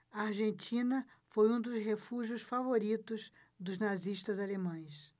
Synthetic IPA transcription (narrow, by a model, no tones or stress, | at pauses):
ɐaɾʒẽnt͡ʃĩnɐfojũd̪ʊsɦefuʒiʊsfavoɾit̪ʊz | d̪ʊznaziʃt̪ɐzalemɐ̃j̃s